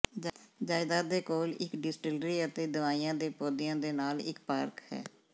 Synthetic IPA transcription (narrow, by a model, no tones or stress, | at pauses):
d͡ʒaːɪd̪aːd̪eːkoːlɪ̰kɖɪsʈɪlɾiːət̪eːd̪ɪʋaːijãːd̪eːpoːd̪ɪjãːd̪eːnaːlɪ̰kpaːɾkhɛ̰ː